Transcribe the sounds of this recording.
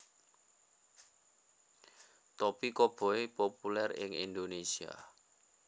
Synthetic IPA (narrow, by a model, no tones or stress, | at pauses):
t̪opikɔb̥ɔ̤epopulɛrɪ̰ŋḭnd̪onesia̰